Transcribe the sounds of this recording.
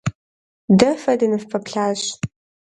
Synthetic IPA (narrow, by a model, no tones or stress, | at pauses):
dɐfɐdɐnɨfpʰɐpɬaːɕ